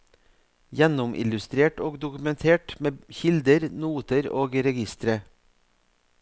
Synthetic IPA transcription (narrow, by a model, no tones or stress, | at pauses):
jɛnʊmʔɪ̰lʉst̪ɾeːʈoːɡd̪ʊkʉmɛnt̪ʰeːʈmeːçɪld̪əɾnuːt̪əɾoːɡɾɛɡɪst̪ɾə